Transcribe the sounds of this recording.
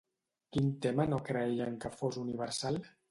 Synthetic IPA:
kint̪emənokɾəejəŋkəfozuniβəɾsal

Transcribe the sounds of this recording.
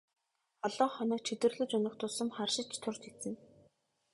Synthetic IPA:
ɔɮɔːɴχɔnə̆ːk̚t͡ɕʰet̪wɘ̆rɮɘ̆t͡ɕʊnɞ̆χt̪ʰʊsə̆mχarʃɪ̆kt͡ɕt̪ʰʊrt͡ɕesɘ̆n

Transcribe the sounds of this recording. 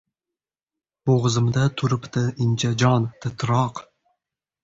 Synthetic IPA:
boʁɨzɨmd̪at̪ʰʊɾɪpt̪ɪɪnt͡ʃʰad͡ʒɒnt̪ʰɪt̪ʰɾɒq

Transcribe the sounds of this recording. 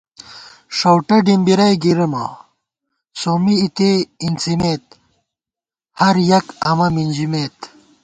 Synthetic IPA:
ʂowʈɐɖimbiɾɐjɡiɾɐmɐ̰ | soːmiːt̪eint͡simet̪̚ | hɐɾjɐkɐmɐmind͡ʑimeːt̪

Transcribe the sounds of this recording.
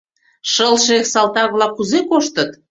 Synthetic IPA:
ʃəlʃeksɑlt̪ɑk̚βlɑkːuzekoʃt̪ət̪

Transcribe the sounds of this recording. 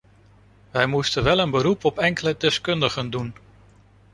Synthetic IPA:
ʋɛjmustənʋɛlənbəɾupɔpɛŋkələdɛskɵndəχəndun

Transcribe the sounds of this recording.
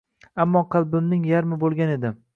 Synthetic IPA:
amːɒqʰɨlˠbɪmnɪŋjaɾmɪbolˠɡʲane̞d̪ɪ

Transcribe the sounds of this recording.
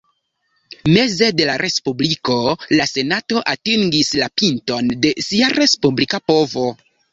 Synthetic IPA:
me̞ze̞de̞laɾʔe̞spubliko̞lase̞nato̞ʔatiŋɡislapinto̞nde̞siaɾe̞spublikapo̞vo̞

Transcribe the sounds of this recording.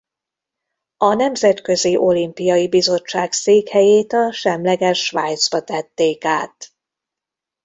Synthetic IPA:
ɒnɛmzɛt̪kø̞ziʔo̞limpijɒjibizo̞t͡ʃːaːkseːkhɛjeːt̪ɒʃɛmlɛɡɛʃːvajt̪zbɒt̪ɛt̪ːeːkaːt̪

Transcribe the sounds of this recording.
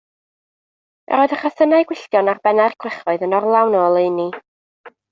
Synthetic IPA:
ɾoːɨðəχaθənaɨɡ̥wɪɬtjɔnarbɛnarkʰwɪχvɔɨðənɔrlˠawnɔːlˠeɨni

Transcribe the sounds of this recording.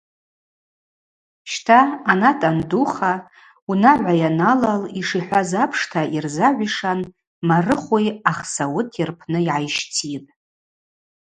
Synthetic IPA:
ʃtʰaːnatʼanduχa | unaʕʷajanalaliʂiħʷazapʰʂtʰaʔirzaʕʷiʂan | marɨχʷujaχsawʊtʰɪrpʰnɨiʕajʃt͡sʰitʼ

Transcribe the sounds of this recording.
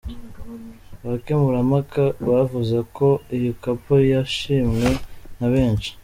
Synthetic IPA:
βakemuɾamakaβavuzako̞ijokapojaʃiːmŋwe̞naβe̞ːnʃi̥

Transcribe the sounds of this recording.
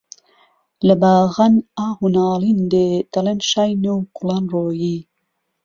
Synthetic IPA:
ləbaːɣɐnaːhunɑːlind̪et̪ɐlɐnʃɑjnuwqulanroːji

